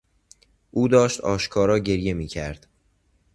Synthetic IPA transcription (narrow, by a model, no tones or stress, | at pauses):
ʔuːd̪ɒːʃt̪ɒːʃkʰɒːɾɒːɟe̞ɾje̞miːcʰæɾd̪̥